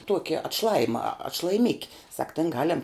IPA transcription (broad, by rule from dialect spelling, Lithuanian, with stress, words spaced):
ˈtuɔkʲɪ ɐtˈʃlˠɑːjɪmɐ ɐtʃlˠɐjɪˈmʲɪkʲɪ sɐk tʲɛn ˈɡɑːlʲɛm